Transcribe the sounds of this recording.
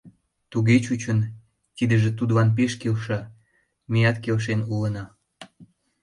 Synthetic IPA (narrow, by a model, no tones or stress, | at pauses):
t̪uɣet͡ɕut͡ɕən | kid̪əʒĕt̪ud̪βɑnp̬eʃkelʃɑ | mijɑt̪kelʃ̬enulənɑ